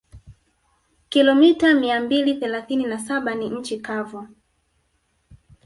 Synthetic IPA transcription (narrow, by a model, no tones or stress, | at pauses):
kilɔmitamiambiliθɛlaθininasaɓaniɲ̩t͡ʃikavu